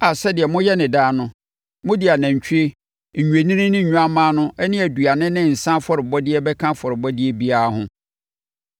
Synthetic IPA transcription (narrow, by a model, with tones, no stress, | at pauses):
a˨sɛ˦dɪ˨ɛ˨mʊ̃˦jɛ˦nɪ̃˨daː˦nʊ̃˦ | mʊ̃˦di˨a˨nã˨ɲ̩˨t͡ɕʰᶣu˦e˦ | ɲ̩˨ɲᶣu˨e˨nĩ˦nĩ˦nɪ̃˦ɲ̩˨ɲᶣũ˦a˦mãː˦nʊ̃˦ɛ˦nɪ̃˦æ˨du˨a˨nɪ̃˦nɪ̃˦˨n̩˨sã˦fɔ˦ɾɪ˨bɔ˦dɪ˦ɛ˦bɛ˦kʰã˦fɔ˨ɾɪ˨bɔ˦dɪ˦ɛ˦bi˦a˦ɦʊ̃˦